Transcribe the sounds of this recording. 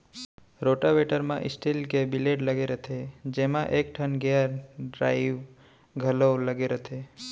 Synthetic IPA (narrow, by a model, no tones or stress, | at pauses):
ɾoʈaʋeʈəɾmã̰ʔɪsʈilkebileʈləɡeɾət̪ʰed͡ʒemãʔek̚ʈʰənɡeəɾɖɾaiʋ | ɡʱəloləɡeɾət̪ʰe